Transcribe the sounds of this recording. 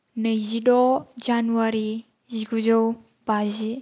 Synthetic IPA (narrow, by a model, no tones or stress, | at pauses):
nəjzidɔd͡ʒanuaɾi | ziɡuzəw | b̥azi